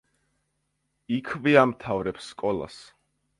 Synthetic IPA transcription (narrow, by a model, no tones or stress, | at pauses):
ikʰviamt̪ʰavɾɛpsːkʼɔlˠa̰s